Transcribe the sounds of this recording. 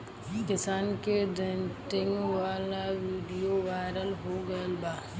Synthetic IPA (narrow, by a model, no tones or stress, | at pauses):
kɪsaːnkeɖẽnʈɪ̃ŋɡʋaːlaʋiːɖijoʋaːɾəlɦoɡɐəlbaː